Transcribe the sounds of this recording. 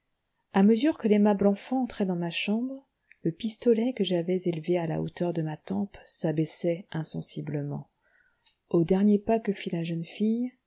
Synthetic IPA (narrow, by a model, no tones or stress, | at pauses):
aməzyʁkəlemablɑ̃fɑ̃ːt̪χɛd̪ɑ̃maʃɑ̃bʁ | ləpist̪ɔlɛkəʒavɛzelveala̰o̰t̪œʁd̪əmat̪ɑ̃psabɛsɛɛ̃sɑ̰̃sibləmɑ̰̃ | od̪ɛʁnjepakəfilaʒənfij